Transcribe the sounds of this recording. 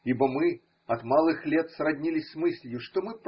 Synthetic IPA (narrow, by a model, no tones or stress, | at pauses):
ibəmɨ | ɐt̪malˠɨxlʲet̪srɐdʲnʲilʲɪsʲsmɨsʲlʲɪjʊʂt̪omɨp